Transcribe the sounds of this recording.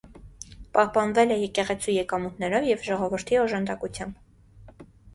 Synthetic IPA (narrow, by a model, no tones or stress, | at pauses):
pɑhpɑnvɛlɛjɛkɛʁɛt͡sʰijɛkɑmut̪nɛɾɔvjɛvʒɔʁɔvəɾt̪ʰiɔʒɑnd̪ɑkut͡sʰjɑmb